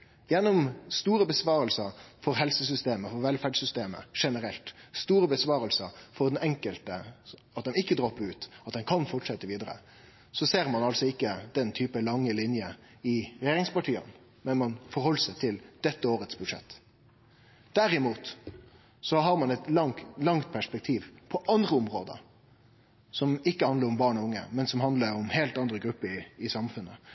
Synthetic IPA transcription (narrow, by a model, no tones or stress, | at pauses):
jɛnːɔmst̪uːɾəbəsʋɑːɾəlsəɾfɔɾɦɛlsəs̬ʏst̪eːməfɔɾʋɛlfæɖsʏst̪eːmə̰ʂɛnəɾɛlt̪st̪uːɾəbəsʋɑːɾəlsəɾfɔɾd̪ɛnɛŋkəlt̪ə | ɑt̪̚d̪ɛmɪkːəd̪ɾɔpːəʉːt̪ɑt̪̚d̪ɛnkʰɑnfɔʈʂɛt̪ːəʋiːd̪əɾə̰ | sɔseːɾmɑnɑlsɔɪkːəd̪ɛnt̪ʰyːpəlɑŋːəlɪnjə | ɪɾɛjeːɾɪŋspɑʈʰiːə̰n | mɛnmɑnfɔɾhɔlːəsæɪt̪ʰɪld̪̥ɛt̪ːəoːɾət̪sbʉd̪ʂɛ̰t̪ː | d̪̥æɾɪmuːt̪ | sɔɦɑɾmɑnɛt̪lɑŋlɑŋt̪̚pʰæʂpɛk̚t̪ʰiːʋpʰɔʔɑnd̪ʁəʊmɾoːd̪ə̰ɾ | sɔmɪkːəhɑnd̪əɾʊmbɑːɳɔʊŋːə̰mɛnsɔmhɑnd̪ləɾʊmheːlt̪ɑnd̪ɾəɡɾʉpːəɾɪɪsɑmfʉnːə